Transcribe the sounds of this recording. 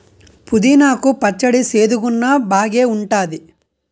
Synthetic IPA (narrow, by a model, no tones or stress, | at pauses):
pud̪inaːkupɐt͡ʃːɐɽise̞ːd̪uɡunːabaːɡe̞ːuɳʈaːd̪i